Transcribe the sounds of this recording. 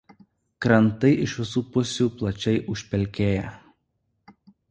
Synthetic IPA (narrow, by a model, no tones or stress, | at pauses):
kɾɐnt̪ɐɪʔɪʃʋʲɪs̬uːpʊsʲuːˑplˠɐt͡ʃʲɛɪʔʊʃʲpʲɛlʲkʲeːjɛ